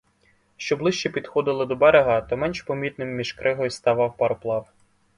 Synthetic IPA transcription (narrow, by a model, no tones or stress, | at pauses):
ʃt͡ʃɔblˠɪʃt͡ʃɛpʲid̪xɔd̪ɪlˠɪd̪ɔbɛɾeɦɑt̪ɔmɛnʃpɔmʲit̪̚nɪmːʲiʒkɾʔɪɦɔjst̪ɐʋɑwpɐɾɔplˠɑw